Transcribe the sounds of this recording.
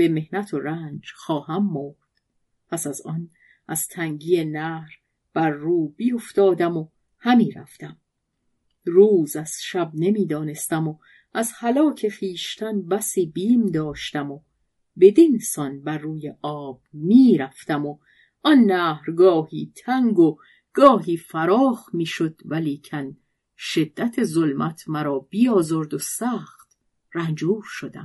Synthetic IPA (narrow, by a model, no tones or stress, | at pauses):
b̥e̞me̞hnæt̪ʰoɾæːnd͡ʒxɒːɦæmːoɾd̪̥ | pʰæsæzɒn | ʔæz̥t̪ʰæŋɟijenæːhɾ | b̥æɾːuːb̥iːoft̪ɒːd̪æmo | hæmiːɾæ̰ft̪æm | ruːzæz̥ʃæb̚ne̞miːd̪ɒːne̞st̪æmo | æzhælɒːcʰe̞xiːʃt̪ʰænbæsiːbiːmd̪ɒːʃt̪æmo | be̞d̪insɒnbærːuːjeʔɒːb̥̚miːɾæft̪æmo | ʔɔnːæːhɾɡɒːhiːt̪ʰæŋɡo | ɡ̥ɒːɦiːfæɾɒːxmiːʃo̞d̪̥væliːcʰæn | ʃe̞d̪ːæt̪ʰe̞zo̞lmʔæt̪ʰmæɾɒːbiːɒːzoɾd̪osæːχt̪ | rænd͡ʒuːɾʃod̪æ̰m